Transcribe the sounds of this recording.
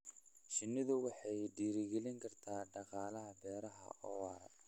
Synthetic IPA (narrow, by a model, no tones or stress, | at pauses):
ʃɪnːɪðʊwɑħɑjɖiːɾɪɡɛlɪŋkʰɐrt̪ʰaːɖɑqɑːlɐɦɐbɛːɾɐɦɐ̰ʔɔ̰ːwɑːɾɐ̰